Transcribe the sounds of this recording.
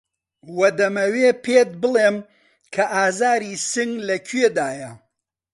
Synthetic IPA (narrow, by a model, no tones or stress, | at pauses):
wɐd̪ɐmɐwepʰet̪̚bɨlˠem | kʰɐʔaːzaːɾisɨŋlɐkʰɥed̪aːjɐ